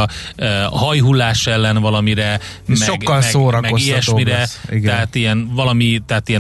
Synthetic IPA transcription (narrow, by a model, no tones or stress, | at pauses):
øɦɒjɦulːaːʃɛlːɛnvɒlɒmiɾɛ | mɛʃoɡkːɒlsoːɾɒmɛoijɛʃmiɾɛiɡ̪ɛɦaːt̪ijɛnvɒlɒmit̪ɛat̪ijɛ